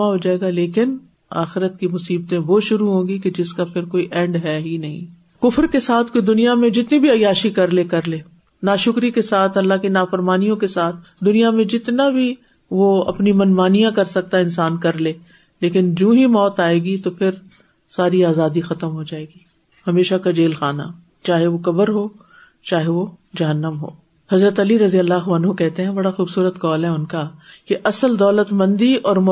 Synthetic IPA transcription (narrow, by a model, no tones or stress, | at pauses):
aɦod͡ʒaːeːɡaleːkɪn | a̰ːxɪɾət̪̚kimʊsiːb̚t̪ẽʋoʃʊɾuɦõːɡiked͡ʒɪskapʰɪɾkoːiʔɛ̃ːɳɖɦɛɦinɐɦḭ̃ | kʊfɾkesaːt̪ʰkoid̪ʊnijamẽd͡ʒɪt̪nibʱiɐjaːʃikɐɾlekɐɾleː | naːʃʊkɾikesaːt̪ʰɦɐlːãkinaːfɐɾmaːnijõkesaːt̪ʰ | d̪ʊnijamẽd͡ʒɪt̪nabʱi | ʋoɐ̰pnimɐnmaːnijãkɐɾsɐk̚t̪aɪnsaːnkɐɾleː | leːkɪnd͡ʒũːɦimɔːt̪aːeːɡit̪opʰɪɾ | saːɾiaːzaːd̪ixɐt̪əmɦod͡ʒaːeːɡiː | hɐmeːʃakad͡ʒeːlxaːna̰ | t͡ʃaːɦeʋokɐbəɾɦoː | t͡ʃaːɦeʋod͡ʒɐɦənːəmɦo̰ː | hɐzɾət̪ɐliɾɐzijəlːaxɐnɦõkɛɦt̪eɦɛ̃bɐɽaxuːbsuːɾət̪kɔːlɦɛʊnkakeʔɐsəld̪ɔːlət̪mɐ̃nd̪iɔːɾm